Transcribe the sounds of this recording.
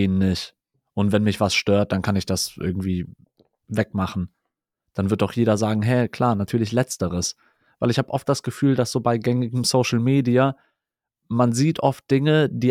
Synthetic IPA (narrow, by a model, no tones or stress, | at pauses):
eːnːɪçt | ʔʊntvɛnmɪçv̥asʃtøːɐt̚d̥ankʰanɪçd̥asʔɪ̰ɐɡ̚ŋ̩tv̥iː | vɛkmaχn̩ | d̥anvɪɐt̚ɔʊχjeːɾɐzaːɡŋ̩ɦɛkʰl̥aːɐnatʰyːɐlɪç̬lɛt͡stəʁ̞əs | v̥aɪlɪçhaːbəʔɔft̚d̥asɡ̥əfyːldasz̥oːbaɪɡɛŋɪɡŋ̩soʊʃl̩meːdia | manziːtʔɔft̚d̥ɪŋəd̥iː